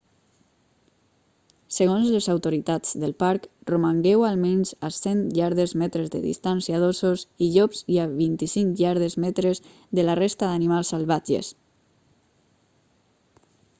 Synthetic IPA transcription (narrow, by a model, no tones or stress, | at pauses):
səɣonzləzawt̪oɾit̪ad͡zðəlˠpaɾkromaŋɡɛwalˠmɛnzasenʎaɾðezmɛt̪ɾezðə̰ðḭst̪ansiaðososiʎɔpziaβint̪isiŋkʎaɾðezmɛt̪ɾez | ðəlarest̪aðanimalˠsalˠβad͡ʒḛs